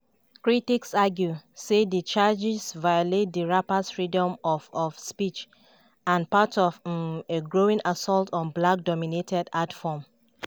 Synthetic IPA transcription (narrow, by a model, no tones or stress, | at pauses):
kɹitiksaɡjusedət͡ʃad͡ʒisvajolet̚dəɹapasfɹidɔ̃mɔfɔfspit͡ʃ | ãnpatɔveɡɹoĩŋʔasɔltʰɔ̃nblak̚dɔminetʰɛdatfɔm